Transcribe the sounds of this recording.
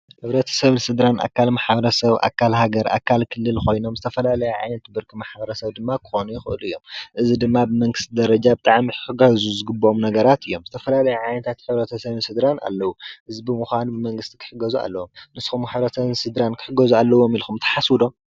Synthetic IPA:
ħɨβɾɐt̪ʰɐ̥sɐβɨnsɨd̪ɾanʔa̰kʰːalmaħbɐɾɐsɐβʔa̰kʰːalɦaɡɐɾʔa̰kʰːalkʰɨlːɨlxo̞jno̞mzɨt̪ʰɐfɐlalɐjɛʕa̰jnɐt̪bɨɾkʰimaħbɐɾɐsɐβd̪ɨmːakʰɨ̥xonujɪxɨʔɨlɨjːo̞mʔɨzid̪ɨmːabɨmɐŋɡɨst̪ʰid̪ɐɾɐd͡ʒabɨt̪ʼaʕmiɨɡɐzuzɨɡɨbːɐʔomnɐɡɐɾat̪ɨjːo̞mzɨt̪ʰɐfɐlalɐjuʕajnɐt̪ʰat̪ħɨβɾɐt̪ʰɐsɐβnsɨd̪ɾana̰lːɐwuʔɨzibɨmuxʷanbɨmɐŋɡɨst̪ʰi̥kʰɨ̥ħɨɡɐzua̰lːɐwomnɨsxumħɨβɾɐt̪ɐβnsɨd̪ɾankʰɨ̥ħɨɡːɐzualːɐwo̞milxumt̪ʰɐ̥ħaswud̪o̞m

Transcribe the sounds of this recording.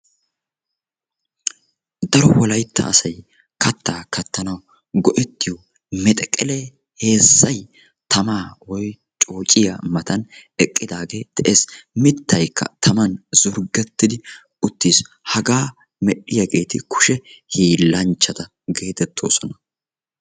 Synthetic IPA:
d̪ɐɾɔwɔlɐjt̪ːɐ̰ʔːsɐj | kɐt̪ːaːkɐt̪ːɐnɐw | ɡɔʔɛt̪ːɪjɔ | mɛt̪ʼɛkʼɛle | he̞ːsːɐj | t̪ʰɐmaːwɔj | t͡ʃʼo̞ːt͡ʃʼɪjamɐt̪ɐnɛkʼːɪd̪aːɡe̞ːt̪ɛʔesmɪt̪ːɐjkʰːɐ̰t̪ʰɐmɐnz̥ʊɾɡɛt̪ːɪd̪ɪ | ʊt̪ːiːs | hɐɡaː | mɛɗːɪjɐɡe̞ːt̪ɪkʊ̥ʃɛhiːlːɐnt͡ʃːɐd̪ɐ | ɡe̞ːt̪ɛt̪ʰːo̞̰ːsɔnɐ

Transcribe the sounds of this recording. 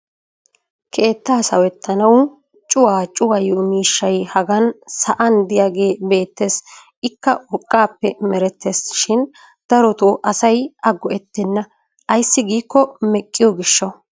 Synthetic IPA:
kʰe̞ːt̪ːaːsɐ̰wɛt̪ʰːɐnɐw | t͡ʃʼʊwaːt͡ʃʼʊwɐjoːmiːʃːɐjhɐɡɐnsɐʔɐnd̪ɪjaːɡe̞ːbe̞ːt̪ːeːs | ɪkːɐɔkʼːaːpːɛmɛɾɛt̪ʰːesʃɪn | d̪̥ɐɾɔt̪oːʔɐsɐjʔɐɡɔʔɛt̪ːɛnːɐ | ʔɐjsːɪɡiːkːɔmɛkʼːɪjɔɡɪʃːɔ

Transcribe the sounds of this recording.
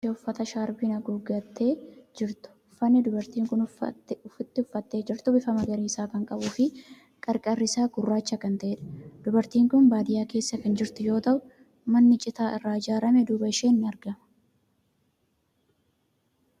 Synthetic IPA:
eʊfːɐt̪ɐʃaːɾbinɐɡuːɡɐt̪ːeːd͡ʒɪɾt̪ʊ̥ʊfːɐnːɪd̪ʊbɐɾt̪iːŋkʊnʊfɪt̪ːɪʊfːɐt̪ːe̞ːd͡ʒɪɾt̪ʊbɪfɐmɐɡɐɾiːɪsaːkɐŋkʼɐbuːfɪ | kʼɐɾkʼɐrːɪsaːɡʊrːaːt͡ʃːɐkɐnt̪ɐʔeːᶑɐ̥d̪ʊbɐɾt̪iːŋkʊnbaːd̪ɪjaːke̞ːsːɐkɐnd͡ʒɪɾt̪ʊjo̞ːt̪ɐʔʊ | mɐnːɪt͡ʃʼɪt̪aːʔɪrːaːɪd͡ʒaːɾɐmɛd̪uːbɐɪʃe̞ːnːɪɐɾɡɐmɐ

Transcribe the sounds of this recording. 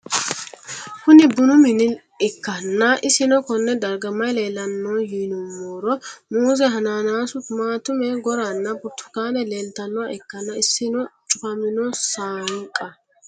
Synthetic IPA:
kʊnɪbʊnʊmɪnɪ | ɪkːɐnːɐʔɪsɪnɔkɔnːɛd̪ɐɾɡɐmɐjleːlɐnːoːjiːnʊmːoːɾɔmuːzɛɦɐnaːnaːsʊmaːt̪ʊmɛɡɔɾanːɐbʊt̪ːʊ̥kaːnɛleːlt̪ɐnːɔaɛkːɐnːɐɪsːɪnɔt͡ʃʼʊfɐmɪnɔsaːŋkʼːɐ

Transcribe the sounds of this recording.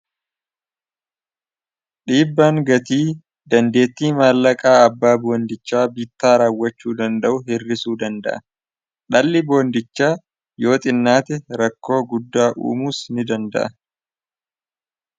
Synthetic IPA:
ᶑiːbːaːŋɡɐt̪iː | d̪ɐnd̪e̞ːt̪ːiːmaːlːɐkʼaːɐbːaːboːnd̪ɪt͡ʃːaːbit̪ːaːɾaːwːɐt͡ʃːuːd̪ɐnd̪ɐʔʊhɪrːɪsuːd̪ɐnd̪ɐ̰ʔɐ | ᶑɐlːɪbo̞ːnd̪ɪt͡ʃːaː | jo̞ːt̪ʼɪnːaːt̪ɛɾɐkːo̞ːɡʊd̪ːaːʔṵːmuːsnɪd̪ɐnd̪ɐ̰ʔɐ

